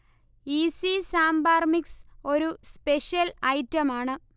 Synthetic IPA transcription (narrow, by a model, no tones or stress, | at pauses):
isisaːmbaːrmikso̞ɾuspe̞ʂjɐlɐjtːɐmaːɳɨ